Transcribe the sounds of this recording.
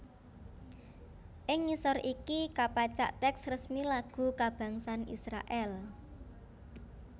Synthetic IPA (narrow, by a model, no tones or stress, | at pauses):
ʔɪŋːisɔrʔikikapat͡ʃa̰ʔt̪ɛksrəsmilaɡ̥ṳkab̥ä̤ŋsanḭsɾa̰ʔɛl